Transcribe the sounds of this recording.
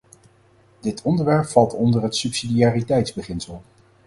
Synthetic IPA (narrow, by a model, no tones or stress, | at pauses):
d̥ɪtʰɔndəɹʋɛɹpfɑlˠtɔndəɹɦətsɵpsidiaːritɛjtzbəχɪnsəlˠ